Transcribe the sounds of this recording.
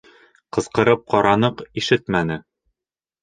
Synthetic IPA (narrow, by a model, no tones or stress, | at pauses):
qɤ̆zqɤ̆ɾɤp̚qɒɾɑnɤqiʃɘt̪mænɘ